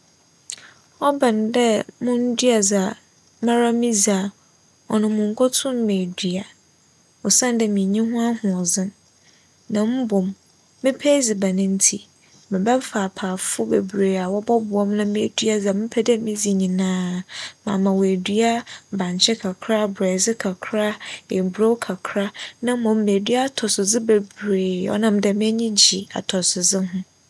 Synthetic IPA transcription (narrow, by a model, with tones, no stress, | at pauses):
ɔ˦bã˨n˨dɛ˦mʊ̃˦n̩˦dɥa˨za˨ | mã˦ɾa˦mĩ˦za˨ | ɔ˨nʊ̃˨mʊ̃˨ŋ̩˨kʰɔ˦tʰʊ̃˦m˦mẽ˨dɥa˨ | ɔ˨sã˦ndɛ˨mĩ˨ɲĩ˦ɦʊ̃˦a˦hʊ̃˨ɔ˨zɪ̃˦n | nã˨m̩˦bʊ˨mː | ɪ̃˦pʰe˦zi˨ba˨nɪ̃˦n̩˦tʰi˨ | mɪ̃˨bɛ˦faː˨pʰaː˨fʊ˦bḛ˨bɾeː˨a˨wɔ˦bɔ˦bʊ˨ɔ˦mnã˦mĩ˦e˨dɥa˦zɛ˨mɪ̃˦pʰɛ˦dɛ˦mĩ˦zi˨ɲĩ˨nãː˦mã̰˨mã˨wæ˨dɥa˦bã˨ɲ˨t͡ɕʰɛ˦kʰa˨kʰɾa˦˨bɾɛː˨zɪ˦kʰa˨kʰɾa˦e˨bɾo˦wkʰa˨kʰɾa˦nã˦mɔ̃˨mːĩ˨æ˨dɥa˦˨tʰɔ˨sʊ˨zɪ˦be˨bɾeː˨ɔ̰˦nã˦m˦dɛ˨m̃˦ɛ˦ɲĩ˦d͡ʑi˨a̰˨tʰɔ˨sʊ˨zɪ˦ɦʊ̃˦